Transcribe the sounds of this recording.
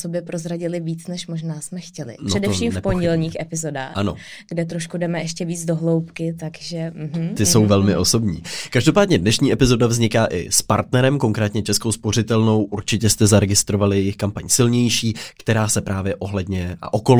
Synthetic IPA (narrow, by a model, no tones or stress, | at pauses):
sobjɛpɾozɾaɟɪlɪviːt͡snɛʃmoʒnaːsmɛxcɛlɪ̰nroɛdɛʃiːmɛpoɲɟɛlɲiːxɛpɪzo̞daːxʔano̞̰ | ɡ̥dɛt̪ɾoʃkudɛmɛɛʃcɛviːd͡zdoɦlowpkɪt̪aɡʒɛm̩ɦ̩t̪ɪso̞wvɛlmɪʔoso̞bɲḭːkaʒdo̞paːdɲɛdnɛʃɲiːʔɛpɪzo̞davzɲɪkaːʔɪ̰spa̰ɾt̪nɛɾɛmkoŋkɾɛːt̪ɲɛt͡ʃɛskowspo̞rɪt̪ɛlno̞wʔuɾt͡ʃɪcɛst̪ɛzaɾɛɡɪst̪ɾovalɪjɛjɪxkampaɲsɪlɲɛjʃiːkt̪ɛɾaːsɛpɾʔaːvjɛʔo̞ɦlɛdɲɛʔa̰ʔoko̞l